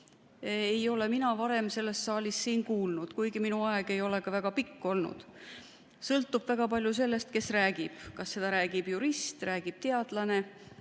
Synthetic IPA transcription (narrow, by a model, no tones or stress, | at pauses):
ejo̞le̞minɑvɑɾe̞mse̞lːe̞st̪sɑːlʲissiːnkuːlnud̪̥kujɡiminuɑeɡ̥e̞jo̞le̞ɡ̥ɑvæɡ̥ɑpikːo̞lnṵd̪̥ | sɤlt̪ːˑub̥væɡ̥ɑpɑlʲjuse̞lːe̞st̪ke̞sræːɡ̥ib̥kɑsːe̞d̪̥ɑɾæːɡ̥ib̥juɾist̪ræːɡ̥ib̥t̪e̞ɑd̪̥lɑne̞